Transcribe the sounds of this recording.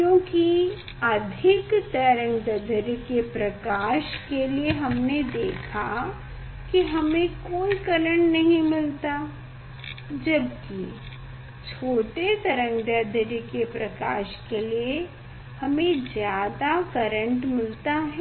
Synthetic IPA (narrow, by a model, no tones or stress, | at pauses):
kjõːki | ɐd̪ʱɪkt̪ɐɾə̃ŋɡd̪əd̪ʱɾkepɾɐkaːʃkelieɦɐmned̪eːkʰa | kiɦɐmẽkoːikɐɾə̃ɳʈnɐɦĩmɪlt̪a | d͡ʒɐbkḭ | t͡ʃʰoːʈet̪ɐɾə̃ŋɡd̪əd̪ʱɾkepɾɐkaːʃkelie | hɐmẽzjaːd̪akɐɾə̃ɳʈmɪlt̪aɦɛ